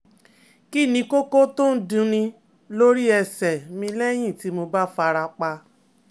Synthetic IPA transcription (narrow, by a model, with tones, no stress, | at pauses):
ki˦˨nĩ˧ko˦ko˦to˦n̩˦dũ˧˦nĩ˧ | lo˦ɾi˦ɛ˧sɛ˨mĩ˧lɛ˦j̃ĩ˦˨ti˨˦mo˧ba˦fa˧ɾa˧k͡pa˧